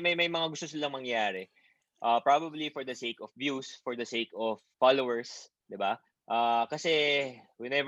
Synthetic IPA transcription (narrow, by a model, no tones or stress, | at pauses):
mɐjmɐjmɐŋaɡʊst̪osɪlɐŋmɐŋjaːɾɛ | ʔaːpɹabɐblifɔɹd̪ɐsejkɔfvjusfɔɹd̪ɐsekɔfːalowɛɹs | d̪ɪba | ʔaːkɐsɛwɛnɛv